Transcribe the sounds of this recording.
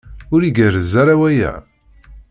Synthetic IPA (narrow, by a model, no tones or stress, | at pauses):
ʊɾiɡərəzaɾawæjæ̰